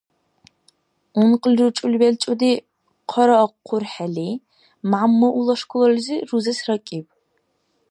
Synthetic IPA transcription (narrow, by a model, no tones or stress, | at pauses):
ʊnqəlrɨt͡ʃʼʊlbɛlt͡ʃʷʼʊdiː | qʰɔɾɐːqʰʷːʊrħɐɮiː | mamːɐʔulɐʂkʷʊlɐrziruzɐsrɐkʼiːp̚